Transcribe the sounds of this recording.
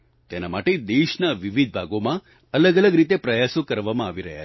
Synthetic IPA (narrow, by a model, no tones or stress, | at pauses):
t̪enamaʈed̪eʃnaʋiʋid̪̚ʱbʱaɡomã | ələɡələɡɾit̪epɾəjasokəɾʋamãːʋiɾəɦja̰